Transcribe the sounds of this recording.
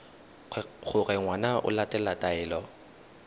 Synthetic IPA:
ɣʊɣɛŋwanaʔʊ̰latʼɛlatʼaɛːlɔ

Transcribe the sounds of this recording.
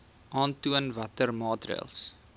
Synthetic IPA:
ʔɑːntuənvɐtərmɑːtrḭəlˠs

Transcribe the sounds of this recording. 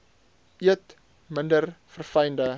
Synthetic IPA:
iət | məndərfərfɐjndə

